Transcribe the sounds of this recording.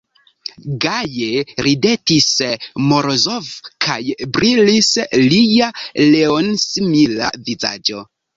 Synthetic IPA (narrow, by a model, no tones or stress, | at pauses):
ɡajeɾidetismoɾozovkʰa̰jbɾilislijaleonsimila̰viza̰d͡ʒo̞